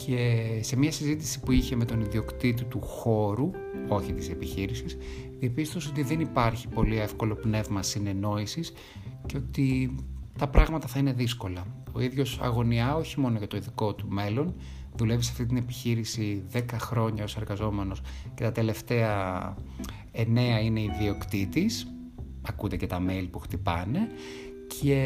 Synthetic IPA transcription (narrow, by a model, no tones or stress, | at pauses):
cʰese̞miɐsizit̪isi̥puiçe̞me̞t̪o̞niðio̞kt̪it̪it̪uxo̞ɾu | o̞çit̪ise̞piçiɾisis | ðiɐpist̪o̞seot̪iðe̞nipɐɾçi̥po̞lie̞fko̞lo̞pne̞vmɐsine̞no̞isis | ce̞o̞t̪it̪ɐpɾɐɣmɐt̪ɐθɐine̞ðisko̞lɐo̞iðʝo̞sɐ̰ɣo̞niɐo̞çimo̞noʝɐt̪o̞iðiko̞t̪ume̞lo̞n | ðulevisɐ̥ft̪it̪̬ine̞pi̥çiɾisiðe̞kɐxɾo̞ɲɐo̞se̞ɾɣɐzo̞me̞no̞sce̞t̪ɐt̪e̞le̞ft̪e̞ɐ | ene̞ɐine̞iðio̞kt̪it̪is | ɐkut̪ece̞t̪ɐmelipuxt̪ipɐne̞ | cʰe̞